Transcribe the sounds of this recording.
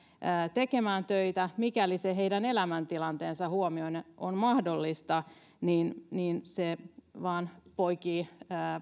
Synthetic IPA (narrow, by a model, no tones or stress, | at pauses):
əːt̪e̞kemæːnt̪øit̪æmikæliseɦe̞idæne̞læmænt̪ilɑnt̪eːnsɑhuomioineʔonmɑhdo̞lːist̪ɑ | niːnniːnseʋɑːnpo̞ikiːəː